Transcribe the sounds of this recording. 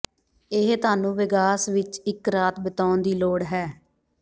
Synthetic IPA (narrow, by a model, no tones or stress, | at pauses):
ɪɦt̪aːnũːʋɪɡaːsʋɪt͡ʃɪkɾaːt̪bət̪aːʊnd̪iːloːɽɦɛː